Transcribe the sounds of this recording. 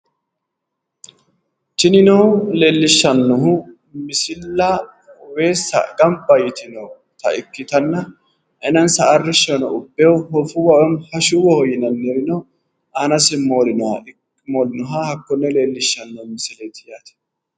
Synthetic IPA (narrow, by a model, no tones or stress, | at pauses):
t͡ʃɪnɪnowle̞ːlːɪʃːɐnːɔɦʊ | mɪsɪlːɐ | weːsːɐ̰ɡɐmbɐjɪt̪ɪnɔw | t̪ɐ̰ɪkːɪt̪ɐnːɐ | ʔɛnɐnsɐːrːɪʃːɐnɔʊbːɛwhɔfʊwɐwɔmhɐʃuwɔhɔjɪnɐnːɛɾɪnɔ | ʔanɐsɛmoːlɪnɔhɐ̰ | moːlɪnɔɦahɐkːɔnːɛle̞ːlːɪʃːɐnːɔmɪsɪlet̪ɪjaːt̪ɛ̥